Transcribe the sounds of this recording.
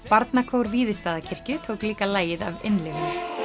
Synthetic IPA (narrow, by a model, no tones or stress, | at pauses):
paɾt̪nakʰowɾviːðɪst̪aːðacʰɪr̥cʏt̪ʰoːwkliːkalaːjɪða̰vɪnlɪɣʏ